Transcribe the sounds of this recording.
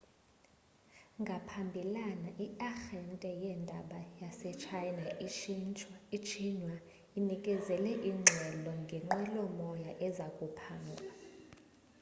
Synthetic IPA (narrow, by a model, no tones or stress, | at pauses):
ŋɡʱapʰambʱilanaʔiaxɛntʼɛjɛndʱaɓajasɛt͡ʃʰajnai | it͡ʃʰinwa | inikʼɛzɛlɛʔiŋ͡ǁʱɛlɔŋɡʱɛŋ͡ǁɛlɔmɔjaʔɛzakʼupʰaːŋɡʱa